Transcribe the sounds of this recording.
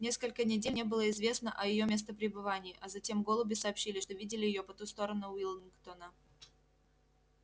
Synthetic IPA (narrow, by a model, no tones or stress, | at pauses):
nʲe̞skəlʲkənʲɪdʲenʲebɨlˠəɪzvʲe̞snəʔɐjɪjo̞mʲes̬t̪əpɾʲɪbɨvanʲɪːʔɐzɐtʲe̞mɡo̞lˠʊbʲɪsɐːpɕːilʲɪʂt̪o̞vʲidʲɪlʲɪjɪjo̞pɐt̪ust̪o̞ɾənʊvʲilʲɪnkt̪onə